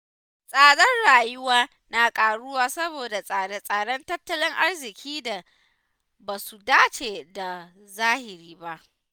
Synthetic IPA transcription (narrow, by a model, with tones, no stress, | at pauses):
sʼaː˨ɽɐ˦nɽaː˨jʊ˦waː˦ | na˨kʼaː˨ɽʊ˦waː˦sɐ˦boː˨da˨sʼaː˨ɽe˦sʼaː˨ɽɔ˦ntɐ˦tːɐ˦lɪ˦ŋʔa˦ɽzɪ˨kʲʰiː˦da˨ | baː˨su˨daː˦t͡ʃeː˨da˨ | zaː˦hɪ˨ɾiː˦ba˦ʔ